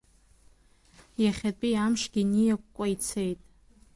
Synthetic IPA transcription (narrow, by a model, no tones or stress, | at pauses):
jaχʲatʼiamʂɡʲinijakʷʼkʷʼait͡sʰejtʼ